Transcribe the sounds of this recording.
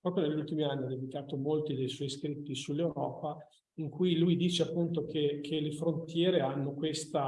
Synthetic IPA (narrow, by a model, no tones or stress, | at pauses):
pɾɔːpɾjoneʎːult̪imianːiad̪ed̪ikaːt̪omolt̪id̪ejswɔjskɾit̪ːisulːewɾɔːpa | iŋkujlujd̪iːt͡ʃeapːunt̪okekʰelefɾont̪jɛːɾeanːokwest̪a